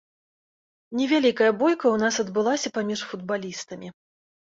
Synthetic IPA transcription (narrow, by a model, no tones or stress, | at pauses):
nʲɛvʲalʲikɐjɐbɔjkɐwnasɐd̪bɨlˠasʲɐpamʲiʂfud̪̚balʲist̪ɐmʲi